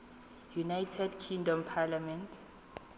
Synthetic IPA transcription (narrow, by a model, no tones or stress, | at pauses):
junajtʰɛdkʰĩŋdɔmpʰalamɛ̃ntʰ